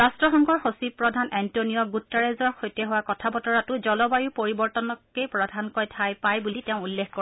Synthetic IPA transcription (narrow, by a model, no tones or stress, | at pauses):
astɹɔxɔŋkɔɹxosipːɹɔdʱanɛntonijɔɡutːaɹezɔɹxojtɛɦʊwakɔtʰabɔtɔɹatʊzɔlɔbajupoɹibɔɹtɔnɔkːejpɹɔdʱankojtʰajpajbuliteʊ̃ulːexko